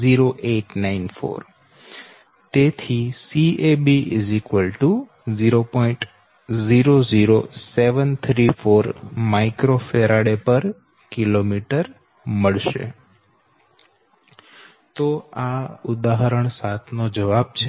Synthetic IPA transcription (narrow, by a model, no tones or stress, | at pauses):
ziɾoʔeʈnainfo̰ɾ | t̪et̪ʰisiebizikʋəlʈu | ziɾopɔĩɳʈ | ziɾoziɾoseʋənt̪ʰɾifoɾmaikɾofeɾaɽepəɾ | kilomiʈəɾ | məɭʃḛ | t̪oaʊd̪aɦəɾəɳ̃sat̪ʰnod͡ʒəʋab̚t͡ʃʰe